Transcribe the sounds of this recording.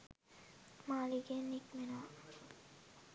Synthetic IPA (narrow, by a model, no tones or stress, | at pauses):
maliɡenikmenoa